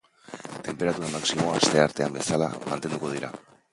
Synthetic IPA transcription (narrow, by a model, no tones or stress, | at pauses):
t̪e̞mpe̞ɾat̪uɾamaksimo̞ast̪e̞aɾt̪e̞ambe̞sala̰mant̪e̞nd̪uko̞ð̞iɾa̰